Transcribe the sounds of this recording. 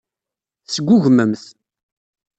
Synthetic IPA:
θsəɡʷːʊʝməmθ

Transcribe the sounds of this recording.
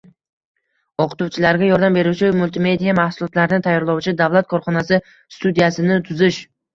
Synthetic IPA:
oqɨ̥t̪uwt͡ʃʰɪlaɾɡʲajɒɾd̪ambe̞ɾuwt͡ʃʰɪmʊlt̪ʰɪme̞d̪ijamahsʊlˠɒt̪laɾɪnɪt̪ʰajːɒɾlˠɒwt͡ʃʰɪd̪avlˠat̪̚kʰɒɾχɒnasɪ | st̪ud̪ijasɪnɪt̪ʰʊzɪʃ

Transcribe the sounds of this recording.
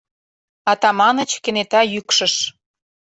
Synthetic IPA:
ɑt̪ɑmɑnə̆t͡ɕkĕnet̪ɑjykʃə̆ʃ

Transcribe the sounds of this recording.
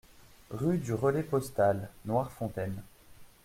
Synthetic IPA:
ʁyd̪yʁəlɛpɔst̪alnwaʁfɔ̃t̪ɛn

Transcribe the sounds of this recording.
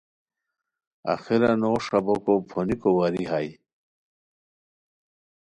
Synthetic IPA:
a̰xiɾanoʂabokopʰonikowaɾiɦaj

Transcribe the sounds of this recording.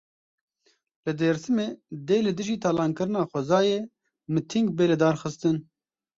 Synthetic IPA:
lɨd̪eːɾsɨmeːd̪eːlɨd̪ɨʒiːt̪ʰɑːlɑːnkɨɾɨnɑːxʷɛzɑːjeː | mɨt̪ʰiŋɡbeːlɨd̪ɑːɾxɨst̪ɨn

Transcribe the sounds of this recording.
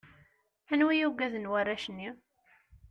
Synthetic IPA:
ænwijuɡæðənwarːæʃənːi

